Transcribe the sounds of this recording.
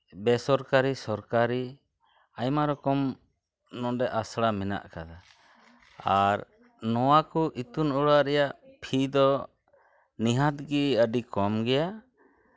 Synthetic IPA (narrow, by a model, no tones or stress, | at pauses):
bɛsɔɾkaɾisɔɾkaɾi | ajmaɾɔkɔm | nɔ̃dɛʔasɽamɛna̰ʔkad̪a | aɾ | nɔwakɔʔit̪unuɽaɾɛjaʔpʰid̪ɔ | niɦãt̪̚ɡiəɖikɔmɡɛja